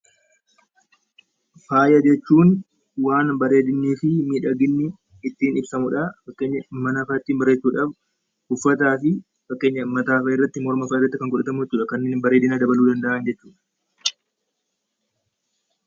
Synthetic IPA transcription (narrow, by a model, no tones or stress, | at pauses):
faːjɐd͡ʒɛt͡ʃːuːn | waːnbɐɾe̞ːd̪ɪnːiːfɪmiːᶑɐɡɪnːɪː | t̪ːiːnɪbsɐmʊᶑɐfɐkːe̞ːɲːɐmɐnɐfɐːt̪ːiːnbɐɾe̞ːt͡ʃːuːᶑɐf | hʊfːɐt̪aːfɪ | fɐkːe̞ːɲːɐmɐt̪aːfɐɪrːɐt̪ːɪmɔɾmɐfaːɪrːɐt̪ːɪkɐŋkʊᶑɐt̪ɐmʊd͡ʒɛt͡ʃːuːᶑɐkɐnːeːbɐɾeːd̪ɪnaɐd̪ɐbɐluːd̪ɐnd̪ɐʔɐnd͡ʒɛt͡ʃːuːᶑɐ̥